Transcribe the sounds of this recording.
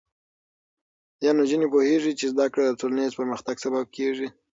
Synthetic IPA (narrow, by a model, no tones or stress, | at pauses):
jɑnod͡ʒənepoheʐit͡ʃezd̪akɽad̪ətolanezpəɾməxt̪aɡsabab̚kʰeʐi